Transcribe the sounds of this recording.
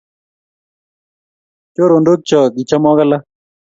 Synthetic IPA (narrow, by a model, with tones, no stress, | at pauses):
t͡ʃo˦ɾo˨ndo˦k̚t͡ʃɔ˨ɡi˨t͡ʃa˦mɔ˦ɡa˦la˦